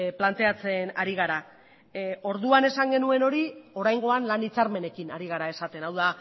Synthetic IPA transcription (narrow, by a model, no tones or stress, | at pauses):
plant̪e̞at͡se̞naɾiɣ̞aɾa | o̞ɾðuane̞saŋɡe̞nue̞no̞ɾio̞ɾajŋɡo̞anlanit͡saɾme̞ne̞kinaɾiɣ̞aɾae̞sat̪e̞nawða